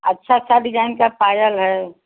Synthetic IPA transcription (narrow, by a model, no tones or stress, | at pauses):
ətːʃʰatːsʰad̪id͡ʒaɪnkapajəlɦɛ